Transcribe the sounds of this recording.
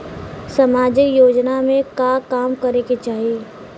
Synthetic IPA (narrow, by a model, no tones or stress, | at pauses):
sɐmaːd͡ʒɪkjoːd͡ʒnamẽkakaːmkɐɾeket͡ʃaːɦieː